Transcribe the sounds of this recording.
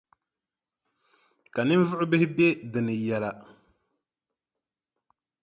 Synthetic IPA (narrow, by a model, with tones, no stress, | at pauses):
ka˨nɨ˦n˦vʊ˦ʔʊ˦bɪ˦hɪ˦be˦dɨ˨nɨ˨jɛ˨la˨